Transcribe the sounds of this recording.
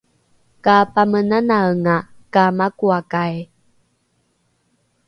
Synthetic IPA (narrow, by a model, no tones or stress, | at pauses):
kapamənanaəŋakamakuakaj